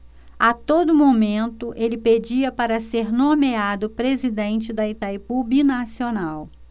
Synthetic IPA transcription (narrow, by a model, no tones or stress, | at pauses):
at̪od̪ʊmomẽnt̪ʊʔelɪped͡ʒiɐpaɾɐseɾnõmead̪ʊpɾezid̪ẽnt͡ʃɪd̪ɐit̪ajpubinasionaw